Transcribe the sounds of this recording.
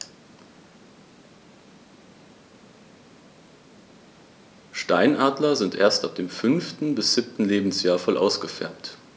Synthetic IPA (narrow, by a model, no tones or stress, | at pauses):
ʃtaɪnʔaːdlɐzɪntʔeːɐstap̚d̥eːmfʏnftn̩bɪsz̥ɪp̚tn̩leːbm̩sjaːɐfɔlʔa̰ʊsɡ̥əfɛ̰ɐpt